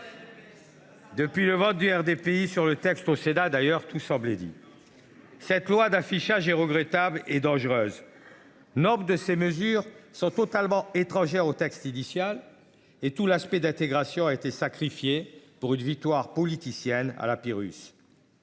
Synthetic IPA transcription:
d̪əpɥiləvɑ̃t̪̚d̪yɛʁd̪epeisyʁlət̪ɛkst̪osenad̪ajœʁt̪usɑ̃blɛd̪ḭ | sɛt̪lwad̪afiʃaʒɛʁəɡʁɛt̪abled̪ɑ̃ʒʁøːz | nɔpd̪əseməzyʁsɔ̃t̪ɔt̪almɑ̃et̪χɑ̃ʒɛʁot̪ɛkst̪inisjal | et̪ulaspɛd̪ɛ̃t̪eɡʁasjɔ̃aet̪esakχifjepuʁynvik̚t̪waʁpɔlit̪isjɛna̰lapiʁy̰s

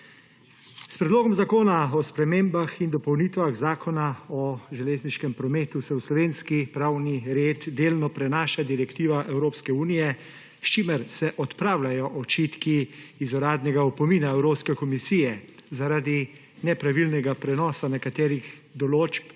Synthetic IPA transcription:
spɾɛd̪loːɡɔmzakoːnaɔspɾɛmeːmbaxind̪ɔpɔwnit̪ʋaɣzaːkʰɔnaɔʒɛleːzniʃkɛmpɾɔmeːt̪usɛwslɔʋeːnskipɾaːwniɾeːd̪d̪eːlnɔpɾɛnaːʃad̪iɾɛkt̪iːʋaʔɛwɾoːpskɛuːnijɛ | st͡ʃimɛɾsɛʔɔt̪pɾaːwlajɔʔɔt͡ʃiːt̪kiːzɔɾaːd̪nɛɡaɔpɔmiːnaɛwɾoːpskɛkɔmisiːjɛzaɾaːd̪i | nɛpɾaʋilnɛɡapɾɛnɔːsanɛkat̪ɛːɾixd̪ɔloːt͡ʃp

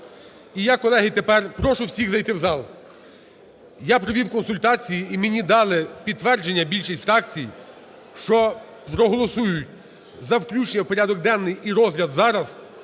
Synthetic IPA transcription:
ijakɔlˠɛɦɪt̪epɛrpɾɔʃʊwsʲiɣzɐjt̪ɪwzɑlˠ | japɾɔʋʲiwkɔnsʊlʲt̪ɑt͡sʲijiːmenʲid̪ɑlˠɪpʲid̪t̪ːʋɛrd͡ʒenʲːɐbʲilʲʃisʲfɾɑkt͡sʲij | ʃt͡ʃɔ | pɾɔɦɔlˠɔsujʊtʲ | zɐwklʲut͡ʃenʲːɐwpɔɾʲad̪ɔɡ̚d̪ɛnːɪjiɾɔzlʲɐd̪zɑɾɐz

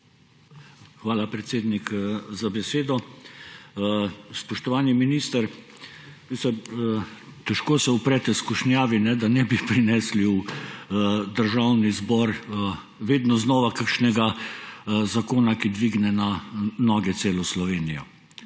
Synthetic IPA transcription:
xʋaːlapɾɛt̪seːd̪nikzabɛseːd̪ɔ | spɔʃt̪ɔʋaːniminist̪əɾ | misɛɾ | t̪ɛʃkoːsɛupɾɛːt̪ɛskuʃnjaːʋinɛd̪anɛbipɾinɛsliw | d̪əɾʒawnizbɔːɾ | ʋeːd̪nɔznɔːʋakakʃnɛɡa | zakoːnakid̪ʋiɡnɛnanɔːɡɛt̪seːlɔslɔʋeːnijɔ

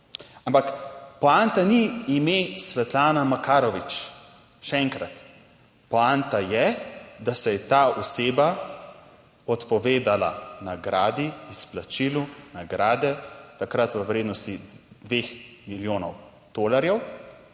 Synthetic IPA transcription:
ampakpɔant̪aniːmesʋɛt̪laːnamakaːɾɔʋit͡ʃ | ʃɛɛŋkɾat̪ | pɔant̪ajɛd̪asɛjɛt̪aːɔseːba | ɔt̪pɔʋeːd̪ala̰naɡɾaːd̪iisplat͡ʃilunaɡɾaːd̪ɛt̪akɾat̪ʋəwɾeːd̪nɔst̪id̪̥ʋeːxmiljoːnɔw | d̪̥oːlaɾjɛw

